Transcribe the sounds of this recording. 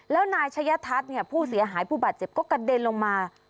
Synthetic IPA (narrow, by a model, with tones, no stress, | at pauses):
lɛː˦˥wnaː˧jt͡ɕʰa˧˥ja˦˥t̪ʰa˦˥t̪̚ni˥˩ɐpʰuː˥˩si˨˩˦ɐɦaː˩˦jpʰuː˥˩baː˨˩t̪̚t͡ɕe˨˩p̚kɔː˥˩ka˧˩deː˧nlo˧ŋmaː˧